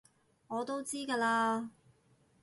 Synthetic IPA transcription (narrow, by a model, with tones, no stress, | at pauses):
ŋɔː˨˧t̪o˥wt͡siː˥kaː˧laː˧